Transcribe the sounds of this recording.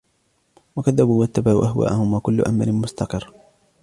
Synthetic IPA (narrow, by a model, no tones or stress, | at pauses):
wakaðːabuːwat̪ːabaʕ̰ːʔaɦwa̰ːʔahʊmwakʊlːʊ̰ʔa̰ma̰lɪnmʊst̪ɑqɨrː